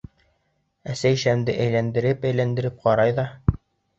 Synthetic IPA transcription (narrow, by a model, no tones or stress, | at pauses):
æsæjɕæmd̪ɘʔæjlænd̪ɘ̆ɾɘpæjlænd̪ɘ̆ɾɘp̚qɑɾɑjðɑ